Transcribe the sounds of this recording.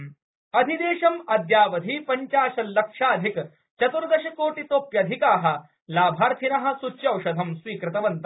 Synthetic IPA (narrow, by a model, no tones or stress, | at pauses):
ɐd̪ʱid̪eːʃɐmɐd̪jaːʋɐd̪ʱiːpɐɲt͡ʃaːʃɐlːɐkʂaːd̪ʱik | t͡ʃɐt̪uɾd̪ɐʃɐkoːʈit̪oːpjɐd̪ʱikaːɦɐ̆ | laːbʱaːɾt̪ʰinɐɦɐ̆sut͡ʃːjɐwʃɐd̪ʱɐmsʋiːkɾɪt̪ɐʋɐnt̪ɐ